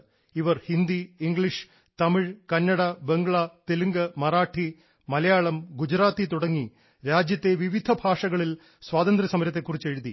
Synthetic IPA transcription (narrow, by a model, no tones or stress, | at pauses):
iʋɐrhind̪iːŋɡɭiʂ | t̪ɐmiɻkɐnːɐɽɐbe̞ŋɡɭɐt̪eluŋɡɐmɐraːʈʰːi | mɐlɐjaːɭɐmɡud͡ʑɾaːt̪ːit̪uɽɐŋːi | ɾaːd͡ʑjɐt̪ːe̞ʋiʋid̪ʱɐbʱaːʂɐɣɐɭil | swaːðɐnd̪ɾɐsɐmɐɾɐt̪̬ːe̞kːurit͡ɕːe̞ɻuðḭ